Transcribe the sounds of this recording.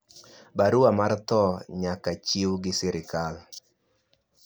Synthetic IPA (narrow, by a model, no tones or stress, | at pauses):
baɾʊamart̪ɔɲakat͡ʃiwɡɪsɛɾɪkal